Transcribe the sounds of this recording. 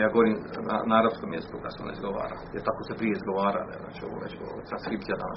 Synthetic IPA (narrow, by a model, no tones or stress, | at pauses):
jaːɡoʋoɾimna̰naːɾap̪skomjezikukd̪aseo̰na̰ḭzɡoʋa̰ːɾa | ɛt̪akosepɾijeizɡoʋaːɾa̰lḛna̰ːt͡ʃoʋo̰ɾḛt͡ʃot̪anskɾiːp̪̚ijad̪ana̰